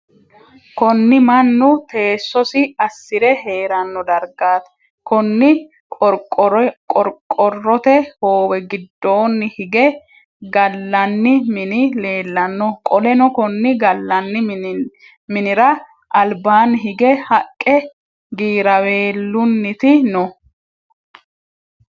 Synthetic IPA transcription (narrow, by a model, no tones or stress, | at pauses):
kɔnːɪmɐnːʊt̪e̞ːsːɔsɪɐsːɪɾɛɦe̞ːɾɐnːɔd̪ɐɾɡaːt̪ɐ̥ | kɔnːɪ | kʼɔɾkʼːɔrːɔt̪ɛhoːwɛɡɪd̪ːo̞ːnːɪhɪɡɛ | ɡɐlːɐnːɪmɪnɪle̞ːlːɐnːɔkʼɔlɛnɔkɔnːɪɡɐlːɐnːɪ | mɪnɪɾɐ | ʔɐlbaːnːɪɦɪɡɛhɐkʼːɛ | ɡiːɾɐwe̞ːlːʊnːɪt̪ɪnɔ